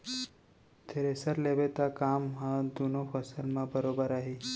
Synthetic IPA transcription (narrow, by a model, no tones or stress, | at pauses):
t̪ʰeɾesəɾlebet̪akamɦãd̪unofʰəsəlmãbəɾobəɾaɦi